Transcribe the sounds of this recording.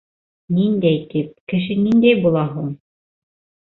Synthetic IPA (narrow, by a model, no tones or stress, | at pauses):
nind̪æjt̪ip̚kɘ̆ʃɘnind̪æjbulˠɑɦuɴ